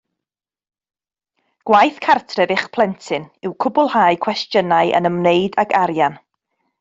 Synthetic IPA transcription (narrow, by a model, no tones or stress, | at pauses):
ɡ̥wajθkʰartʰrɛvɪχpʰlˠɛntʰɨnɪwkʰʊbʊlˠhaɨkʰw̥ɛstjənaɨʔə̰nəmneɨdaɡʰaɾjan